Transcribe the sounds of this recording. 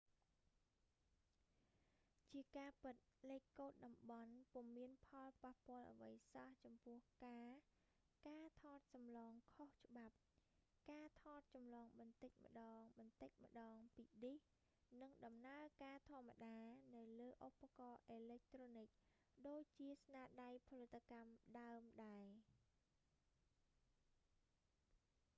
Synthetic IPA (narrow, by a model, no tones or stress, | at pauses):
t͡ɕiəkaːpɨt̪̚lɛːkkːoːt̪̚ɗɑmɓɑnpŭəmiənpʰɑlpahpŏəlʔə̰ʋəjsaht͡ɕɑmpʊ̆əhkaː | kaːt̪ʰɑːt̪̚sɑmlɑːŋkʰoht͡ɕə̆ɓap̚ | kaːt̪ʰɑːt̪̚t͡ɕɑmlɑːŋɓɑnt̪ɨc̚mə̆ɗɑːŋɓɑnt̪ɨc̚mə̆ɗɑːŋpiːɗih | nɨŋɗɑmnaəkaːt̪ʰŏəmːa̰ɗaːnɨwləːʔopːakɑːʔeːlɛk̚t̪roːnɨk̚ | ɗoːc̚t͡ɕiəsnaːɗajpʰolɨt̪ʰːakamɗaəmɗaɛ